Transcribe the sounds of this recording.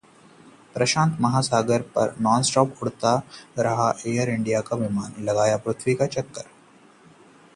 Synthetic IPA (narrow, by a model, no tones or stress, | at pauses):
pɾɐʃãːnt̪mɐɦaːsaːɡəɾpɐ̰ɾnɔːnsʈɔːpʊɽt̪aɾɐɦaʔeːjəɾɪɳɖijakaʋɪmaːnlɐɡaːjapɾʊt̪ʰʋikat͡ʃɐkːəɾ